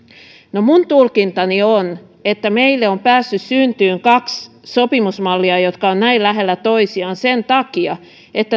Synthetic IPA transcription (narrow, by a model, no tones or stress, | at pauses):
nomunt̪ulkint̪ɑnion | et̪ːæmeilːeompæːsːyssynt̪yːŋkɑks | sopimusmɑlːiɑjot̪kɑonnæillæɦelːæt̪oisiɑnsent̪ɑkiɑ | et̪ːæ